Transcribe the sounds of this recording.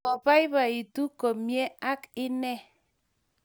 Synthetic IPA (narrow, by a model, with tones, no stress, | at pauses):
ɔ˨pa˦i˦βa˨i˨tu˦ko˨mje˦a˦kɪ˦nɛ˦